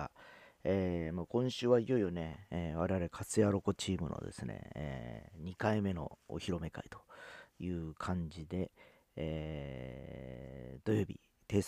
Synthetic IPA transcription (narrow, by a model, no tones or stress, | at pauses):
eːmaːkõ̞ɰ̃ɕɨːβaijo̞ijo̞ne̞eβaɾe̞βaɾe̞kʰasɨjaɾo̞ko̞t͡ɕiːmɯ̟no̞̰d̪e̞̰sɨnḛḛɲ̟ikaime̞no̞̰o̰çiɾo̞me̞ka̰it̪o̞̥jɯːkʰãɲ̟d͡ʑid̪e̞ | d̪̥o̞jo̞ːbʲḭ | t̪e̞ːs